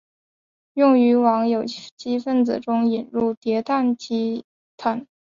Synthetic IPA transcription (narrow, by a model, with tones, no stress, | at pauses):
jʊ˥˩ŋy˧˥wɑ˧˥ŋjo˨˩ʊt͡ɕi˥fə˥˩nt͡sɹ̩˨˩ʈ͡ʂʊ˥ŋi˨˩nɻu˥˩t̪jɛ˧˥t̪ʰa˥˩nt͡ɕi˥ | t̪ʰa˥˩˦n